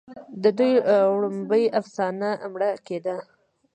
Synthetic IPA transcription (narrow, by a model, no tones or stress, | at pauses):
d̪əd̪ujɽumbəjafsɑnamɽaked̪a